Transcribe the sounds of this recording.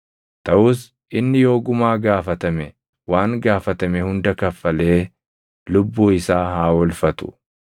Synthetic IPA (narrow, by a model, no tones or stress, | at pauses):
t̪ɐʔuːs | ʔɪnːɪjo̞ːɡʊmaːɡaːfɐt̪ɐmɛ | waːŋɡaːfɐt̪ɐmɛhʊnd̪ɐkɐfːɐleː | lʊbːuːɪsaːhaːwɔlfɐt̪ʊ̥̰